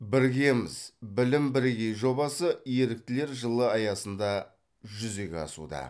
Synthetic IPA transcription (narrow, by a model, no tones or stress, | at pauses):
bɪɾɡʲe̞mɪzbɪlɪmbɪɾɡʲe̞jʒo̞bɑsəje̞ɾɪk̚t̪ɪle̞ɾʒəlˠəɑjɑsənd̪ɑ | ʒʏze̞kʲeɑ̰sṵd̪ɑ̰